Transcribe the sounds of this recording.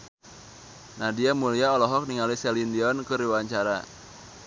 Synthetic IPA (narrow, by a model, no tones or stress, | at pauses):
nadiamuliaɔlɔɦɔk̚niŋalisɛlindiɔnkɨriwaɲt͡ʃaɾa̰